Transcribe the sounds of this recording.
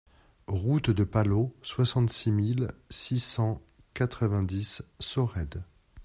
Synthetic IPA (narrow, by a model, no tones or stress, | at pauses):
ʁut̪d̪əpaloswasɑ̃t̪similsisɑ̃ | kat̪χəvɛ̃d̪isːɔʁɛd̪